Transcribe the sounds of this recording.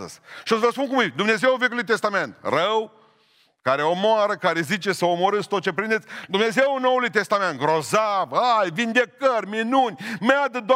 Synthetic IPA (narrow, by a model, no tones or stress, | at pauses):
ə̰z̥ʃiosvəspunkumid̪umne̞ze̞wvekʲulujt̪est̪ame̞nt̪rəw | kaɾeo̞moaɾəkaɾe̞zit͡ʃe̞səomoɾɨst̪ot̪̚t͡ʃepɾind̪et̪sʲd̪umne̞zewno̞wulujt̪e̞st̪ame̞nt̪̚ɡɾozavajvind̪e̞kərʲminunʲmead̪əd̪o